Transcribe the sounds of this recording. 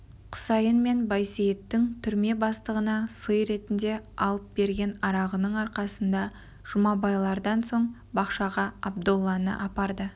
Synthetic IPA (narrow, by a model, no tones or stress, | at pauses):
qʰʊ̥sɑjənme̞nbɑjsejet̪ːɪŋt̪ʰʏɾme̞bɑst̪əʁənɑsəjɾe̞t̪ɪnd̪e̞ɑlˠəp̚be̞ɾɡʲe̞nɑɾɑʁənəɴɑɾqɑsənd̪ɑ | ʒ̥ʊmɑbɑjlˠɑɾd̪ɑnso̞ɴ | bɑqʃɑʁɑɑbd̪olˠːɑnə̰ʔɑpɑɾd̪ə